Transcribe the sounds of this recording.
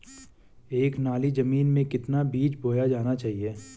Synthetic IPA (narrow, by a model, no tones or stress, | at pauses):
eːknaːlizɐmiːnmẽkɪt̪nabiːt͡ʃbʱoːjad͡ʒaːnat͡ʃaːɦieː